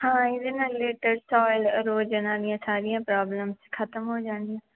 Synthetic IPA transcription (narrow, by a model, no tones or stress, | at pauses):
hãːɪdɪnaleːʈəɾsɔːɪlɾoːd͡ʒənãːd̪ɪjãːsaːɾɪjãːpɾaːbləmskʰət̪əmɦoːd͡ʒãːnd̪ijãː